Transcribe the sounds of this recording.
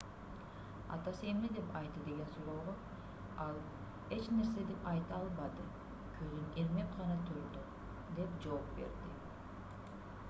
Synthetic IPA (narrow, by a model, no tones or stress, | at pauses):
ɑ̰t̪ɑse̞mned̪e̞pɑjt̪ːɯd̪e̞ɡʲe̞nsuɾo̞ːʁo | ɑlˠ | e̞t͡ʃne̞ɾse̞d̪e̞pɑjt̪ɯɑlˠbɑd̪ɯ | kʰøzyneɾme̞pqɑnɑt̪ʰøɾd̪yq | d̪e̞pd͡ʒo̞opbe̞̰ɾd̪i